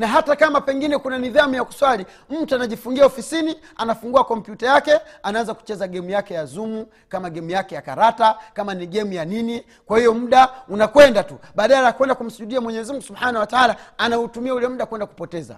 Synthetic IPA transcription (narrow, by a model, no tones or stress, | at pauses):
naɦatakamapɛŋɡinɛkunaniðamujaku̥swali | m̩tuanaʄifuŋɡiaɔfisini | anafuŋɡuakɔmpjutajakɛanaanzaku̥t͡ʃɛzaɡɛmujakɛjazumu | kamaɡɛmujakɛjakaɾatakamaniɡɛmujanini | kwahijɔm̩ɗaunakwɛndatuɓaːɗaajakwɛndakum̩suʄuɗiamwɛɲɛzimuŋɡusubħanawataalaanautumiaulɛm̩ɗakwɛndaku̥pɔtɛza̰